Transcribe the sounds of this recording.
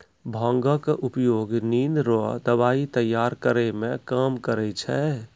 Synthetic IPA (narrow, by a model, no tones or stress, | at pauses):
bʱãŋɡəkʔupjoɡninɾo̰d̪əbait̪əjːaɾkəɾɛmẽkamkəɾɛt͡ʃʰɛ